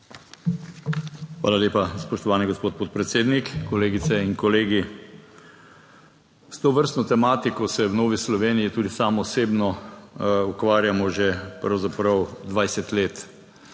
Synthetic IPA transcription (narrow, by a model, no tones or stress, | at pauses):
xʋa̰ːlaleːpaspɔʃt̪ɔʋaːniɡospoːt̪̚poːt̪̚pɾɛt̪seːd̪nikkɔleːɡit̪sɛinkɔleːɡi | st̪oːʋəɾst̪nɔt̪ɛmaːt̪ikɔsɛwnoːʋislɔʋeːnijit̪uːd̪isaːmɔɔseːbnɔ | ukʋaːɾjamɔʒɛpɾɐwzapɾɐwd̪ʋajsɛt̪leːt̪